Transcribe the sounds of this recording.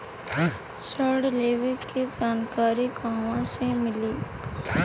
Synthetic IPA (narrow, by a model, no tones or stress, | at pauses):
səɾɽleːʋɪʈkid͡ʒaːnkaːɾiɡaːʋãsemɪliː